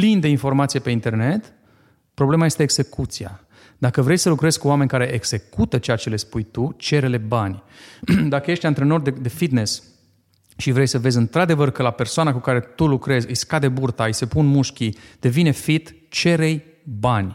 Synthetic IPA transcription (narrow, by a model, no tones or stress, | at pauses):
plind̪e̞info̞rmat̪sijepe̞int̪e̞rne̞t̪ | pɾo̞ble̞majest̪eːɡze̞kut̪sia̰ | d̪akəvɾe̞jsəlukɾe̞zkuame̞nʲkaɾe̞ʔeɡze̞kut̪ət͡ʃejat͡ʃe̞le̞spujt̪ut͡ʃe̞ɾe̞le̞banʲd̪akəje̞ʃt̪ʲant̪ɾeno̞rd̪ed̪e̞fit̪ne̞s | ʃivɾe̞jsəve̞zɨnt̪ɾad̪e̞vərkəlape̞rsoanakukaɾe̞t̪ulukɾe̞zʲɨjskad̪e̞burt̪aɨjse̞punmuʃkʲid̪̥e̞vine̞fit̪t͡ʃe̞ɾe̞j | banʲ